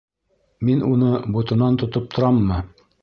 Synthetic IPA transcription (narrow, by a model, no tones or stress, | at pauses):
minʔunɤbut̪ɤ̆nɑnt̪ŏt̪ɤp̚t̪ʰŏɾɑmːɤ